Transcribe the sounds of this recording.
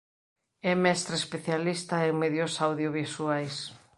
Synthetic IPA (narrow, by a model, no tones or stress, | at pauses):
ɛmɛst̪ɾespeθjalist̪aeŋmeðjosawðjoβisuajs